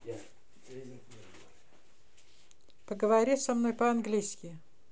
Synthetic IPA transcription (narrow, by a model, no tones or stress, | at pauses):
pəɡəvɐɾʲisɐmno̞jpəɐnɡlʲijskʲɪ